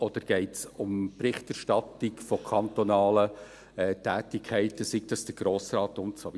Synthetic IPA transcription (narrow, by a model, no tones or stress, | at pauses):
ɔd̪̥əɾɡ̥ɛɪtsʊmprɪχtæʃtɑtɪkfɔkʰɑnt̪ɔnɑːlə | ɛtæːtɪkʰɛɪtəsik̚d̥ɑsd̥əɾɡ̥ɾoːsrɑːtʊmt͡sɔʋ